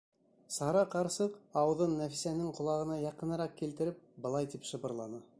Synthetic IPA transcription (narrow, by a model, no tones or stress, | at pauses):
sɑɾɑqɑɾsɤqɑw̆ðɤnːæfi̥sænɘŋqŏlˠɑʁɤ̆nɑjɑqɤ̆nɤ̆ɾɑqkilt̪ɘ̆ɾɘp̚bɤ̆lˠɑjt̪ipʃɤ̆βɤ̆ɾlˠɑnɤ